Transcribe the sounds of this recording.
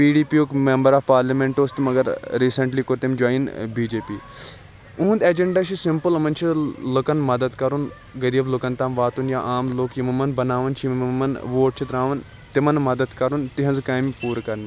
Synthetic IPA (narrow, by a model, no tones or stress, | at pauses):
piːɖiːpioːkmembɐɾaːfpaːɾlɐmeɳʈoːst̪mɐɡɐɾɾiːsɐɳʈliːkoɾt̪emd͡ʒaːjinbiːd͡ʒeːpḭː | ũːnd̪eːd͡ʒeɳɖaːʃʰisɪmpɨlɐmɐnt͡ʃʰiləkɐnmɐd̪ɐd̪kɐɾun | ɡɐɾiːblokɐnt̪aːmʋaːt̪unjaʔaːmloːkjimɐmɐnbɐnaːʋɐnt͡ʃʰmmmɐnʋoːʈ̚t͡ʃʰit̪ɾãːʋɐn | t̪imɐnmɐd̪ɐd̪kɐɾunt̪iɦɐnzkaːmpuːɾkɐɾni